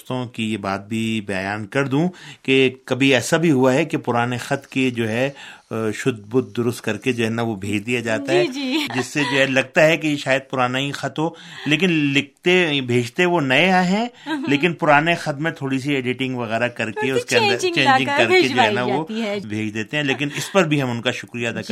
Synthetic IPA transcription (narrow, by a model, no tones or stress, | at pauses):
st̪õkijeba̰ːt̪̚bʱibɛjaːnkɐɾd̪ũːkekɐbʱiɛːsabʱiɦuaɦɛkepʊɾaːnexɐt̪ked͡ʒoːɦɛ | ʃʊd̪̚bʊd̪̚d̪ʊɾʊst̪̚kɐɾked͡ʒoːɦɛːnaʋobʱeːd͡ʒd̪ijad͡ʒaːt̪aɦɛːd͡ʒɪsːed͡ʒoːɦɛlɐɡ̚t̪aɦɛkejeʃaːjəd̪̚pʊɾaːnaɦixɐt̪ɦoːleːkɪnlɪk̚t̪ebʱeːd͡ʒt̪eʋonɐeaɦɛ̃leːkɪnpʊɾaːnexɐt̪mẽt̪ʰoːɽis̬ieːɖɪʈɪ̃ŋɡʋɐɣɛːɾakɐɾkeʊskeɐ̃nd̪əɾt͡ʃẽːɲd͡ʒd͡ʒɪ̃ŋɡkɐɾked͡ʒoːɦɛːnaʋobʱeːd͡ʒd̪eːt̪ẽɦɛ̃leːk̬ɪnɪspɐɾbʱiɦɐmʊnkaʃʊkɾijad̪a